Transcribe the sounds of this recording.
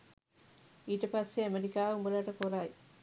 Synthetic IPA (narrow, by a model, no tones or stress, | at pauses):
iːʈɐpɐsːeɐmeɾikaːumbɐlaʈɐfoɾaːi